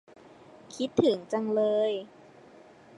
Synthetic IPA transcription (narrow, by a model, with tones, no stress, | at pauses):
kʰi˦˥t̪ʰːɯ˨˩˦ŋt͡ɕa˧ŋlɤː˧j